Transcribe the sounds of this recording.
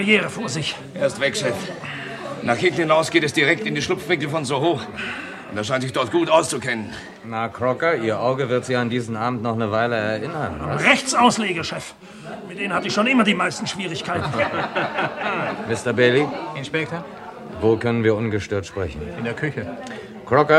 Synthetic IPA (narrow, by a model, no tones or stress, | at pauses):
jɛːʁəfoːɐzɪç | ʔeːɐstv̥ɛkʃɛf | naːχhɪntn̩hɪnaʊsɡ̥eːtɛsd̥iʁɛk̚tɪndiːʃlʊpfv̥ɪŋkl̩fɔnzoːhoːx | ʔʊntd̥aːʃaɪntzɪçd̥ɔɐt̚ɡ̥uːtaʊst͡sukʰɛnən | nakʰʁɔkɐʔiːɐʔaʊɡəvɪɐtz̥içandiːzn̩ʔaːbm̩tnɔχnəvaɪləɛɐʔɪnɐnamʁɛçt͡saʊsleːɡɐʃɛf | mɪtd̥eːnənhatɪçʃoːnɪmɐdiːmaɪstn̩ʃv̥iːʁɪçkʰaɪtn̩ | mɪstɐbɛːliɪnʃpɛktɐ | voːkʰœnənviːɐʔʊnɡəʃtøːɐtʃpʁ̥ɛçn̩ɪndeːɐkʰʏçə | kʁɔkɐ